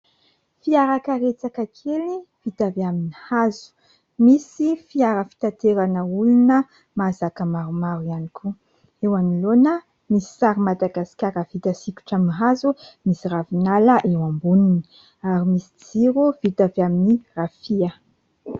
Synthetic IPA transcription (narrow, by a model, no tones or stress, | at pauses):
fiaɾakəɾet͡sakakʰelivit̪aviaminihazu̥ | misifiaɾəfi̥t̪at̪eɾanəulunə | mazakəmaɾumaɾuianikʰu | ewanilonə | misi̥saɾimad̪aɡasi̥kʲaɾəv̥it̪asikʲu̥ʈ͡ʂaminiɦazumisiravinaləʔewambunini̥ | aɾimisid͡ziɾuvit̪avaminirafiə